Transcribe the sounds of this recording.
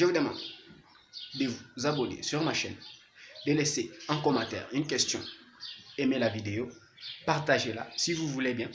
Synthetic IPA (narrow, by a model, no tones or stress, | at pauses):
ʒəud̪əmɑ̰̃d̪ | d̪əvuzabɔnḛsyʁmaʃɛ̰n | d̪əleseɛ̃kɔmɑ̃t̪ɛ̰ːʁynk̬ʲɛst̪jɔ̰̃ | emelavid̪eo | paʁt̪aʒela̰sivuvulebjɛ̃